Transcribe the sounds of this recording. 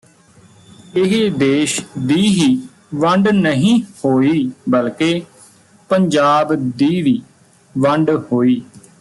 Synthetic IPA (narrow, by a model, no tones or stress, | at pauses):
ɪɦed̪eːʃd̪iːɦiː | ʋəɳɖnəɦĩːhoːiːbəlkeː | pəɲd͡ʒaːbd̪iːʋiː | ʋəɳɖhoːiː